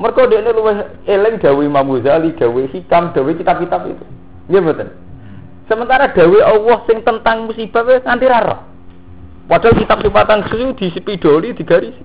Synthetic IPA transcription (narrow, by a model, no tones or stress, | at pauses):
mərɡ̥ɔɖeʔneluwɪɦ | elɪŋɖ̪̥a̤wemamuzaliɖ̥a̤wesikamɖ̥a̤wekit̪ab̚kit̪apḭt̪u | ŋɡebət̪ən | səmənt̪aɾaɖ̪̥a̤weʔɔwɔhsɪŋt̪ənt̪aŋmusib̥aʔ̪̚weŋant̪iɾaɾɔ̰h | waɖ̥a̤lkit̪ap̚supat̪anɡə̥susud̪̥i̤spiɖ̥ɔ̤lid̪̥i̤ɡ̥aɾisi̥